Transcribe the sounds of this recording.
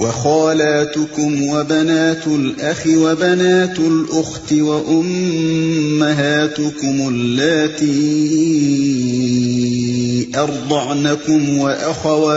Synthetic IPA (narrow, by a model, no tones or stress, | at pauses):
wɑxɑːlaːt̪ʊkʊmwabanaːt̪ʊlʔaxɪwabanaːt̪ʊlʔʊxt̪ɪwaʔʊmː | aɦaːt̪ʊkʊmʊlːaːt̪iː | ʔɑɾˤd̪ˤɑʕnakʊmwaʔaxawa